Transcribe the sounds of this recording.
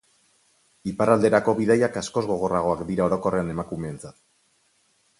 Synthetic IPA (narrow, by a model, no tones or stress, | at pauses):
iparald̪e̞ɾako̞βiðajakasko̞zɣo̞ɣ̞o̞raɣ̞o̞akd̪iɾao̞ɾo̞ko̞re̞ane̞makume̞ːnt͡sat̪